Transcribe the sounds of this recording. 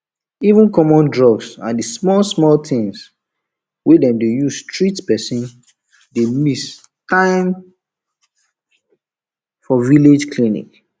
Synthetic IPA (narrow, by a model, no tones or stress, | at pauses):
ivũnkɔmɔ̃ndɹɔbsãndismɔlsmɔlt̪ĩŋs | wedɛ̃mdejuzstɹitpɛsĩn | demis | tãɪm | fɔviled͡ʒklinḭk